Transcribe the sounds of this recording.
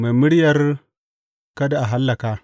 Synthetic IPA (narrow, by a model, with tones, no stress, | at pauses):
ma˨mɨ˦ɽi˦ja˦ɾ | ka˦da˨a˨ɦa˦lːa˨ka˦